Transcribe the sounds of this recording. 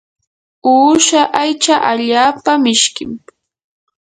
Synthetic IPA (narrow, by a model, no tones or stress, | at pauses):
uːʃaʔajt͡ʃaʔaʎaːpamɪʃkɪm